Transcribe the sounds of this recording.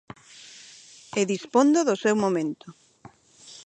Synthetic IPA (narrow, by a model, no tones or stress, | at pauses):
eðispond̪oðosewmomẽnt̪ʊ